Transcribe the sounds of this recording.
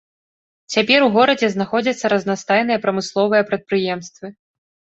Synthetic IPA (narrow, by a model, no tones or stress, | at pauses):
t͡sʲapʲɛɾuɣɔɾɐd͡zʲɛznaxɔd͡zʲɐt̪sːɐɾɐznast̪ajn̪ɨjɛpɾɐmɨslˠɔvɨjɐpɾɐt̪̚pɾɨjɛmst̪vɨ